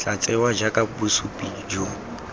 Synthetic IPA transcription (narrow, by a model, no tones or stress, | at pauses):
t͡ɬat͡sʼɛwad͡ʒakʼabusupʼi | d͡ʒo